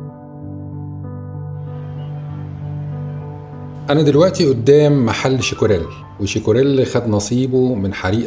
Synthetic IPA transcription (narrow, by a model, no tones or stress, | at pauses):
ʔænæd̪ɪlwæʔt̪iʔʊd̪ːæːmːaħalːʃɪkʊɾæl | wɪʃɪkʊɾælːxæd̪nɑsˤiːbomɪnħaɾiːʔ